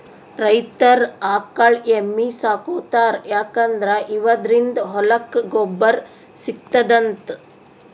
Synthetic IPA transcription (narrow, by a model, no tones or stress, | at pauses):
ɾɐjt̪ɐɾaːkɐɭemːisaːkoːt̪aːɾjaːkɐnd̪ɾɐʔiʋɐd̪ɾind̪ɦɔlɐkɡɔbːɐɾ | sikt̪ɐd̪ɐnt̪